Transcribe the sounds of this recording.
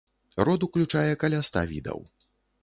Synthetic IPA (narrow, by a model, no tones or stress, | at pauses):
rɔd̪uklʲut͡ʂajɛkɐlʲast̪a̰vʲḭd̪ɐ̰w